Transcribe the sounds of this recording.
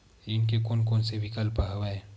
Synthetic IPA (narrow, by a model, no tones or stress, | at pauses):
inkekoːnkoːnsebʱikəlpaɦʋaeː